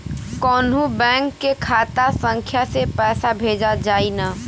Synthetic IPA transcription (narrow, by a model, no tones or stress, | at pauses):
kɔːnũbɛ̃ːŋkːekʰaːt̪asə̃ŋkʰjasepɛːsabʱeːd͡ʒad͡ʒaːina